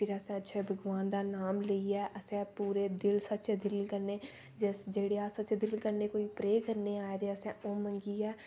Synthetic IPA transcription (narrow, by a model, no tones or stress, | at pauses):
pɪɾəsɛ̃ətːʃʰeːbʱəɡʋaːnd̪aːnaːmləiɛːʔəsɛ̃puːɾeːd̪ɪlsətːt͡ʃd̪ɪlkəɾneː | d͡ʒɛsd͡ʒeːɽeaːsətːt͡ʃd̪ɪlkəɾneːkoːipɾeːkəɾneaːɾeəsɛ̃ːoːmə̃ŋɡiɛː